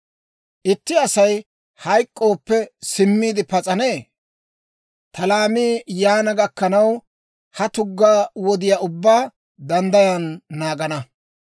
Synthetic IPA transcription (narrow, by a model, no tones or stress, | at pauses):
ʔɪt̪ːɪɐsɐj | hɐjkʼːo̞ːpːɛsɪmːiːd̪ɪpɐt͡sʼɐneː | t̪ʰɐlaːmiːjaːnɐɡɐkːɐnɐw | hɐt̪ʊɡːaːwɔd̪ɪjaːʊbːaː | d̪ɐnd̪ɐjanːaːɡɐnɐ